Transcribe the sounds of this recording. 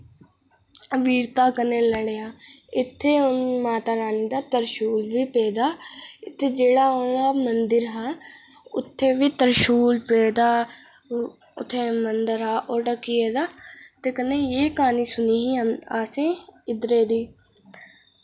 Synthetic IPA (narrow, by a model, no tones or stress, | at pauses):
ʋiːɾt̪aːkəneːləɽeːãːɪt̪ʰːeːʊnmaːt̪aːɾaːniːd̪aːt̪əɾʃuːlʋiːpeːd̪aːɪt̪ʰːeːd͡ʒeːɽaːoːaːmənd̪əɾɦaː | ʊ̰t̪ʰːeːʋiːt̪əɾʃuːlpeːd̪aː | ʊ̰t̪ʰːeːmənd̪əɾɦaːʔoːɖəkːieːd̪aːt̪eːkəneːjeːkaːniːsʊniːɦiaːsẽːɪd̪ɾeːd̪iː